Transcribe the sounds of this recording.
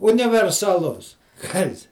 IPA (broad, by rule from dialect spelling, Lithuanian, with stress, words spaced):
ʊnʲɪʋʲɛrsɐˈlˠʊs ˈkɐs